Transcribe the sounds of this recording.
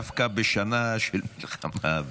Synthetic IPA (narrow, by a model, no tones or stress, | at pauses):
afkabɪʃanaʃɛlmɪlxamav